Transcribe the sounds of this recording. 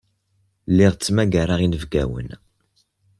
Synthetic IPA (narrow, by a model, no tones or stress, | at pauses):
lːɪʁt͡sːmæɡæɾaʁinəvɡæ̰wə̰n